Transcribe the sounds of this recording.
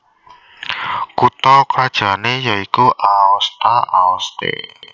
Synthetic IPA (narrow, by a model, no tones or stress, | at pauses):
kut̪ɔkad̥ʒ̥a̤nejɔikuʔaɔst̪aʔaɔst̪ḛ